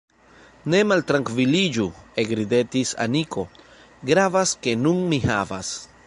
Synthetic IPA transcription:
ne̞malt̪ɾaŋkvilid͡ʒueɡɾide̞tisa̰nikʰo̞ | ɡɾavaske̞nunmihava̰s

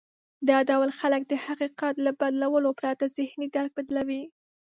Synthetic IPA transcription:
d̪ɑd̪awalxalək̚d̪əhaqiqat̪labad̪lawəlopɾɑt̪azɪhnid̪aɾk̚bad̪lawi

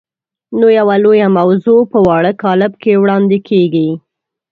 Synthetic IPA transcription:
nojawalojamawzopəwɑɽəkɑlɪb̚kewɽɑnd̪ɪkʰeɡi

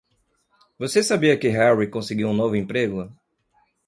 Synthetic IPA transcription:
vosesabiɐkɪɦɛɹikõsɪɡiwũnovʊẽpɾeɡʊ

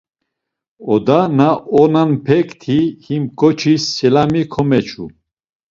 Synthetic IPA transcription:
ɔd̪anaɔnanpʰɛkt̪ʰihimkʼɔt͡ʃʰisːɛlamikʰɔmɛt͡ʃʰṵ

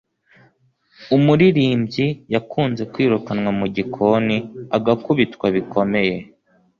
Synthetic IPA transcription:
umuɾiɾiːmbɟijakʰuːnze̞kwiːɾukanwamuɟikʰo̞niaɡakuβitkwaβikʰo̞me̞je̞

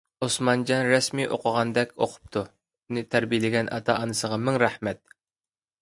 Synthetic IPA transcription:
osmɑnd͡ʒɑnɾɛsmiʔo̰qʰəʁɑnd̪ɛkʲʰoqʰʊ̥p̚t̪ʰu | unɨt̪ʰæɾbijlɪɡʲɛnʔɑ̰t̪ʰɑʔɑnɨsəʁɑmɪŋɾæhmɛt̪̚

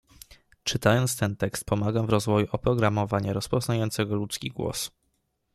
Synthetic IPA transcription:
t͡ʂɘt̪ajɔnt̪st̪ɛnt̪ɛkst̪̚pɔmaɡavɾɔzvɔjuʔɔpɾɔɡɾamɔvaɲaɾɔspɔznajɔnt̪sɛɡɔlut̪skʲiɡwɔ̰s

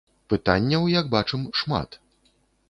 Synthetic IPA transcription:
pɨt̪a̰nʲːɐwjɐɡ̚bat͡ʂɨmʂma̰t̪

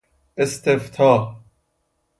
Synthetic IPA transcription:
est̪eft̪ʰɑː

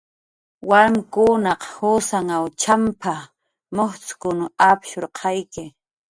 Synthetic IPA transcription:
waɾmkʊnɑqhʊsaŋawt͡ʃampʰa | moχt͡sʊ̥kʊnʊapʃoɾqʰɑjkɪ

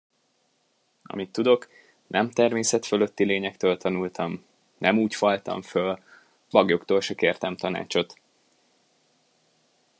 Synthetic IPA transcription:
ɒ̰mit̪ːud̪o̞k | nʔɛmt̪ɛrmeːsɛt̪følø̞t̪ːileːɲɛkt̪øːlt̪ʰɒnult̪ʰɒm | nɛmuːcfɒlt̪ɒ̰ɱføl | bɒɡjo̞kt̪oːlʃɛkeːrt̪ɛmt̪ɒna̰ːt͡ʃo̞t̪

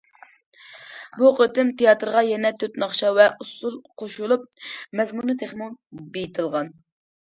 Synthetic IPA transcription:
buqøt̪ɪmt̪ʰejɑt̪ɾʁɑjɛnɛt̪ʰøt̪nɑχʃɑvɛʔusulˠqʰoʃulˠup̚mɛzmunɨt̪ʰeχmuŋbejit̪ʰɨlˠʁɑn

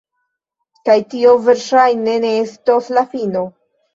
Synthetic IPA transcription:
kajtio̞ve̞ɾʃajne̞ne̞estoslafino̞

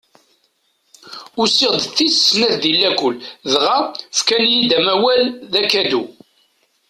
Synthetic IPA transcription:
ʊsɪʁd̪θːissnæðd̪ilːækʷʊlːðʁæfkænjid̪æmæwælðækæd̪u

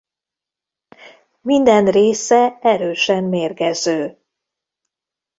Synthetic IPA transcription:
mind̪ɛnreːsɛɛɾøːʃɛmmeːrkɛzøː

